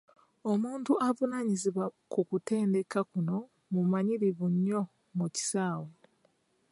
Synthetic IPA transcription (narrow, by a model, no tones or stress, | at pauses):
omuːntuʔavunaɲiziβwakukute̞ːnde̞kakuno̞ | mumaɲiɾivuɲːo̞ | muci̥saːwo